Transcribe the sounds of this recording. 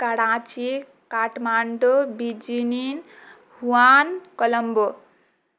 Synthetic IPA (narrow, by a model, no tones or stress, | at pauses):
kaɽãt͡ʃi | kaʈmaɳɖobid͡ʒinin | huankɔləmbo